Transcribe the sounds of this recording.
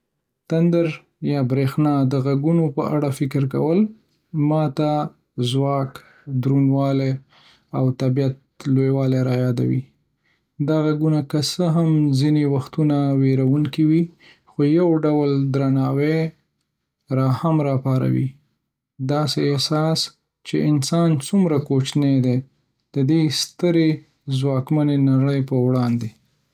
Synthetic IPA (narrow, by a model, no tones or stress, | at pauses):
t̪and̪əɾ | jɑbɾexnɑd̪əɣaɡunopə̰ʔaɽafɪkəɾka̰wəl | mɑt̪a | zwɑk | d̪ɾunwɑle | awt̪abijat̪̚lojwɑleɾɑjɑd̪a̰wḭ | d̪aɣaɡunakəsəɦamzinewaxt̪unaweɾawuŋkiwi | xojawɖawəld̪ɾanɑwe | ɾɑhamɾɑpɑɾa̰wḭ | d̪ɑseːhsɑs | t͡ʃeɪnsɑnt͡sumɾakot͡ʃned̪e | d̪̥əd̪est̪əɾe | zwɑkmanenaɽəjpəwɽɑnd̪e